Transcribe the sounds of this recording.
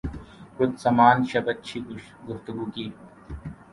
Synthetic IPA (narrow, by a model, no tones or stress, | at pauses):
kʊt̪sɐmaːnʃɐbɐtːt͡ʃʰiːɡʊʃ | ɡʊft̪ʊɡuːkiː